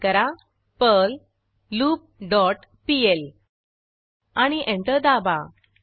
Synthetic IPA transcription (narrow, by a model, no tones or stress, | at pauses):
kəɾa | pəlː | uːp̚ɖɔʈ | piel | aɽ̃iʔẽɳʈ̪əd̪aba̰